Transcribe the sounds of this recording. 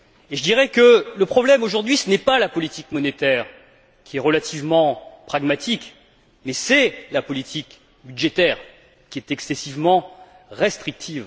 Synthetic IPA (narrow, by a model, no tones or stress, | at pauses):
eʒəd̪iʁɛkələpχɔblɛmoʒuʁd̪ɥisənɛpalapɔlit̪ikmɔnet̪ɛʁ | kʲʰiɛʁəlat̪ʰivmɑ̃pχaɡmat̪ʰik | mɛsɛlapɔlit̪ʰik | byd̪ʒɛt̪ɛːʁ | kʲiɛt̪ɛksɛsivmɑ̃ | ʁɛst̪χik̚t̪ʰiv